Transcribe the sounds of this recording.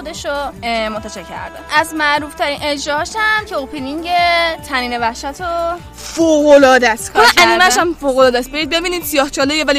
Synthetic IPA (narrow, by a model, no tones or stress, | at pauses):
od̪e̞ʃomot̪ʰːæt͡ʃʰecʰæ̰ɾd̪eʔæzmæʔɾuːft̪ʰæɾiːnʔe̞d͡ʒɾɒːɒːʃæmcʰeopʰeniŋɟet̪ʰæniːne̞væhʃæt̪ʰo | foːɣolɒːd̪æskolʔæniːmæʃæmfoːɣolɒːd̪æsbeɾiːd̪̚be̞biːniːd̪̥sijɒːht͡ʃʰɒːlejevæli